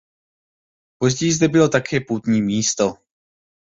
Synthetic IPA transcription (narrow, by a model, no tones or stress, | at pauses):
po̞zɟɛjɪzd̪ɛbɪlo̞t̪akʰɛːpuːt̪ɲiːmiːst̪o̞